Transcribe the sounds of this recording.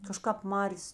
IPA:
kɐˈʃkɑːp ˈmɑːrʲeːs

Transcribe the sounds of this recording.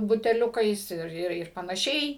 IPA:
bʊtʲɛˈlʲʊkɐɪs ˈɪr ˈɪr pɐnɐˈʃʲɛɪ

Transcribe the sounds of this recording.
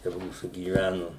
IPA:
t͡ʃʲɛ ˈmuːsuː ɡʲiːˈʋʲænʊ

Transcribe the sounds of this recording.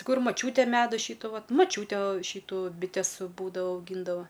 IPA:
ˈkʊr mɐˈt͡ʃʲuːtʲeː ˈmʲæːdʊ ˈʃʲiːtʊ ˈʋɐt mɐˈt͡ʃʲuːtʲeː ˈʃʲiːtuː bʲɪˈtʲɛs ˈbuːdɐʋoː ɐʊˈɡʲiːndɐʋoː

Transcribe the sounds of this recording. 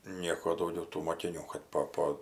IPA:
ˈnʲiɛkoː dɐʊˈɡʲɛʊ tuː moːkʲɪˈnʲuː kɐt ˈpoː ˈpoː

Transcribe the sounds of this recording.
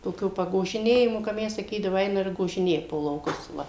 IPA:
toːˈkʲuː pɐɡoːʒʲɪˈnʲeːjɪmʊ kɐ ˈmʲɛs sɐˈkʲiːdɐʋʊ ˈɛɪnɐ ɪr ɡoːʒʲɪˈnʲeːjɛ poː lˠɐʊˈkʊs ˈʋɐ

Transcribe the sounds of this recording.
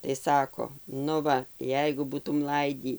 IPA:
tɐɪ ˈsɑːkoː nʊ ˈʋɐ ˈjɛɪɡʊ ˈbuːtʊm ˈlˠɐɪdʲiː

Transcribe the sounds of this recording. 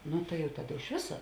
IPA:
ˈnʊ tɐɪ jɛʊ ˈtɑːˌdɐ ɪʃ ˈʋʲɪsɐ

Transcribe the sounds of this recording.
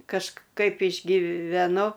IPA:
kɐʃˈkɐɪp ɪʒʲɡʲiːʋʲɛˈnʊ

